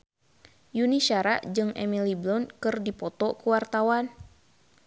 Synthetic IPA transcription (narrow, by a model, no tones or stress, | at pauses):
juniʃaɾaʔd͡ʒɨŋɛ̰miliblɔnkɨrdipɔt̪ɔkuwart̪awan